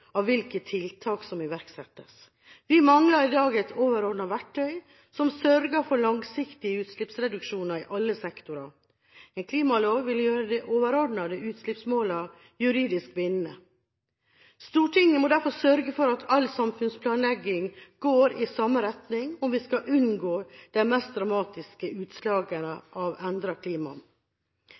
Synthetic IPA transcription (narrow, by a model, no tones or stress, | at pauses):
ɑʋʋɪlkət̪ʰɪlt̪ʰɑːksɔmɪʋæɾksɛt̪ːəs | ʋɪmɑŋlɑɾɪd̪ɑːɡɛɪt̪ʰoːʋəɾɔɖɳnɑʋæʈʰːœʏ | sɔmsœɾɡəɾfɔɾlɑŋsɪkt̪ɪəʉːt̪slɪpsɾɛd̪ʉkʂuːnɑɾɪʔɑlːəsɛkt̪ʊɾɑ | ɛnkʰliːmɑloːɡʋɪljøːɾəd̪ɛʔoːʋəɾɔɖɳɑd̪ɛʉːt̪slɪpsmoːlɑʋ | jʉɾiːd̪ɪskʋɪnːə | st̪uːʈɪŋːəmɔd̪æɾfɔsœɾɡəfɔɾɑt̪ʰɑlsɑmfʉnspʰlɑːnlɛɡɪŋɡ̥oːɾɪsɑmːəɾɛt̪nɪŋɔmʋɪskɑʔʉnɡoːd̪̥æmɛst̪̚d̪ɾɑmɑːt̪ɪskəʉːt̪slɑːɡənəʔɑʋɛnd̪ɾɑkʰliːmɑ̰